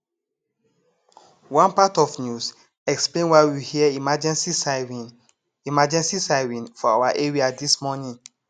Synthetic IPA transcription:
wãnpatɔvnjus | ɛksplẽnwaɪwihiəimad͡ʒɛ̃nsisi | imad͡ʒɛ̃nsisaɪɹĩnfɔawaʔeɹiadismɔnĩn

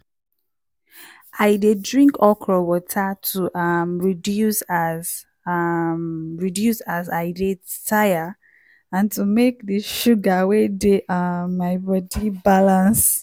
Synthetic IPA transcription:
ʔaɪdedɹĩŋkɔkʰɹɔwɔtʰatʰuʔamɹidjusaz | mɹidjusazaɪdetʰaja | ãntumek̚ðiʃuɡawedeʔaaɪbɔdibalãns

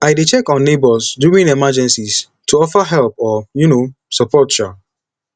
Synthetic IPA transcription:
aɪdet͡ʃɛkɔ̃nːebɔsduɹĩnemad͡ʒɛ̃nsis | tʰuɔfəɦɛlpɔjuno | sapʰɔtʃɔ

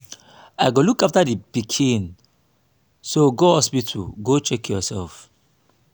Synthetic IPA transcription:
aɪɡolukaftadipikʰĩn | soɡoɔspitʰṵɡot͡ʃɛkʰjɔsɛlf

